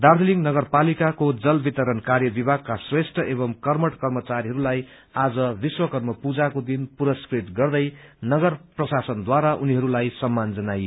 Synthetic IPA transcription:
d̪ard̪ʱiliŋɡnʌɡʌrpalikakod͡zʌlbit̪ʌɾʌnkarjʌbibʱaɡ̚kasresʈʰʌʔebʌmkʌrmʌʈkʌrmʌt͡saɾiɦʌɾulaj | ad͡zʌbiswʌkʌrmʌpud͡zakod̪inpuɾʌskrit̪ɡʌrd̪ʌjnʌɡʌrprʌsasʌnd̪waɾaʔuniɦʌɾulajsʌmːand͡zʌnaj

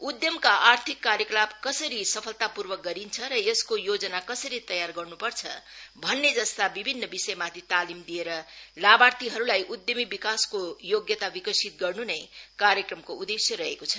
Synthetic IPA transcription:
ud̪jʌmkaʔart̪ʰikːaɾjʌklabkʌsʌɾisʌpʰʌlt̪apurwʌk̚ɡʌɾint͡sʰʌɾʌjeskojod͡zʌnakʌsʌɾit̪ʌjarɡʌrnupʌrt͡sʰʌ̰bʱʌnːed͡zʌst̪abibʱinːʌbisʌjmat̪ʰit̪alimd̪ijeɾʌlabart̪iɦʌɾulajʔud̪jʌmibikaskojoɡjʌt̪abikʌsit̪̚ɡʌrnunʌjkaɾjʌkrʌmkoud̪esjʌɾʌɦekot͡sʰʌ

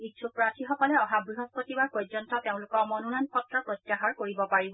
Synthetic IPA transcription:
itsʰupɹatʰixɔkɔlɛɔɦabɹiɦɔspotibaɹpojzɔntɔteʊ̃lʊkɔɹmɔnunanpʰɔtːɹɔpɹɔtjaɦɔɹkoɹibɔpaɹibɔ

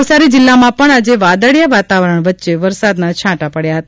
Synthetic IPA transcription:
ʋsaɾid͡ʒɪlːamãpəɳad͡ʒeʋad̪əɽjaʋat̪aʋəɾəɳʋətːʃeʋəɾsad̪nat͡ʃʰãʈapəɽjaɦət̪a

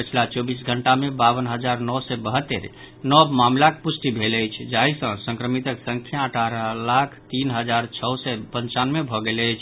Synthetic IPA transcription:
pət͡ʃʰilat͡ʃɔbisɡʱəɳʈamebabənɦəd͡ʒaɾnɔsɛbəɦət̪ːeɾ | nɔbmamlakepusʈibʱeləjt͡ʃʰd͡ʒaisə̃sə̃ŋkɾəmit̪əksəŋkʰjaəʈʰaɾəlakʰt̪inɦəd͡ʒaɾt͡ʃʰəsɛpənt͡ʃanmebʱɔɡelət͡ʃʰ

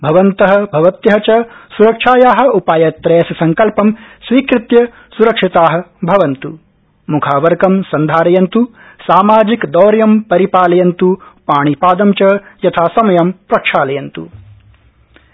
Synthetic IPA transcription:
bʱɐʋɐnt̪ɐɦɐ̆bʱɐʋɐt̪jɐɦɐt͡ʃɐsuɾɐkʂaːjaːɦɐ̆upaːjɐt̪ɾeːsɐsɐŋkɐlpɐmsʋiːkɾɪt̪jɐ | suɾɐkʂit̪aːɦɐ̆bʱɐʋɐnt̪u | mukʰaːʋɐɾɡɐmsɐnd̪ʱaːɾɐjɐnt̪u | saːmaːd͡ʒikd̪ɔːɾjɐmpɐɾipaːlɐjɐnt̪upaːɳ̃ipaːd̪ɐmt͡ʃɐjɐt̪ʰaːsɐmɐjɐmpɾɐkʂaːlɐjɐnt̪ṵ

